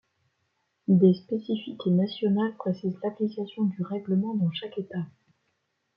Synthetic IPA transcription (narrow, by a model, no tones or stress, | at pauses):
d̪espesifiknasjɔnalpχesɛd̪laplikasjɔ̃d̪yʁɛɡləmɑ̃d̪ɑ̃ʃaket̪a